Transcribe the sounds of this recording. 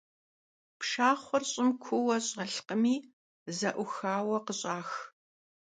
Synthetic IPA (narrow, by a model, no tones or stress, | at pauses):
pʃaːχʷɔrɕʼɪmkʷʰʊwɐɕʼɐɬqəmiː | zɐʔʷʊxaːwɐqəɕʼaːx